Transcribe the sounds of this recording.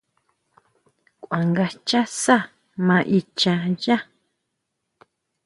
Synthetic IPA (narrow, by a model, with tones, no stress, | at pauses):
kʷwa˨ŋɡa˧t͡ʃa˦sa˦˨ | mã˧ʔi˧t͡ʃã˧ja˦